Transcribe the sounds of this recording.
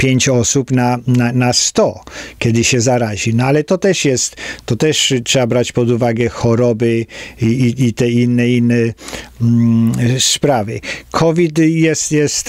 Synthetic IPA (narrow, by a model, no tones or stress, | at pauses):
pʲjeɲt͡ɕɔsupnananast̪ɔkʲɛd̪ɘɕɛzaɾaʑinɔalɛt̪ɔt̪ɛʂjɛst̪ːɔt̪ɛʂtʂɛbabɾat͡ɕpɔd̪uvaɡɛxɔɾɔbɘiiit̪ɛinːɛinːɛ | spɾavɘkʰɔvʲit̪jɛst̪jɛst̪